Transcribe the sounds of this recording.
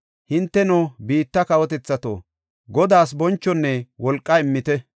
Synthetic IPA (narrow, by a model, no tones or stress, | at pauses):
hɪnt̪ːɛnobiːt̪ːɐkɐwɔt̪ɛt͡sːɐt̪o̰ː | ɡɔd̪aːsbɔnt͡ʃːɔnːɛwɔlkʼːɐɪmːɪt̪ɛ